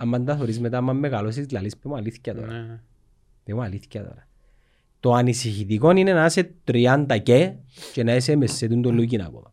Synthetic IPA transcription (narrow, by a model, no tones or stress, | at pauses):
amːand̪ɐθoɾizmet̪amːamːeɣalos̬izlalispemoaliθcat̪o̰ɾa̰ | pemoaliθcat̪o̰ɾa | t̪oanisiçit̪ikoninenaset̪ɾiand̪acet͡ʃenaes̬emesːet̪und̪olːuc̬ina̰ko̰ða